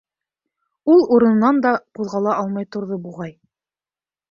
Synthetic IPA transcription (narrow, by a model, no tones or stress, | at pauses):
ulˠuɾɤ̆n̆nɑnd̪ɑquðʁɑlˠɑɑlˠmɑjt̪ŏɾðobuʁɑj